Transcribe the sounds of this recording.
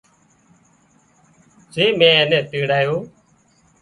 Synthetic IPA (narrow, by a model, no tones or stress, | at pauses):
zeːmẽːeːnẽːt̪iːɽaːjoː